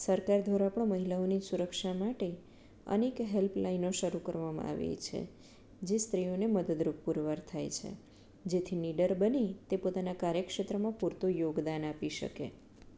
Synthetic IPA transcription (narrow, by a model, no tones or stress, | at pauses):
səɾkaɾd̪ʱʋaɾapəɳməɦilaonisuɾəkʃamaʈe | ə̰nekɦelplainoʃəɾukəɾʋamã̰a̰ʋḛt͡ʃʰḛ | d͡ʒest̪ɾijoneməd̪əd̪ɾup̚puɾʋaɾt̪ʰajt͡ʃʰḛ | d͡ʒet̪ʰiniɖəɾbənit̪epot̪anakaɾjəkʃet̪ɾəmãpuɾt̪ojoɡd̪anapiʃə̰kḛ